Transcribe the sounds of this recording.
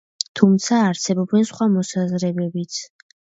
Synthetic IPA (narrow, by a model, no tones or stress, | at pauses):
t̪ʰumt̪sʰaːɾsɛbɔbɛnsχwamɔsazɾɛbɛbit̪sʰ